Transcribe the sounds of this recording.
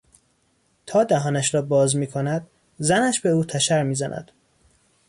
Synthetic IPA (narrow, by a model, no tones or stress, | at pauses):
t̪ʰɒːd̪æɦɒːnæʃɾɒːbɒːzmiːkʰo̞næd̪̥ | zænæʃbeuːt̪ʰæʃæɾmiːzænʔæ̰d̪̥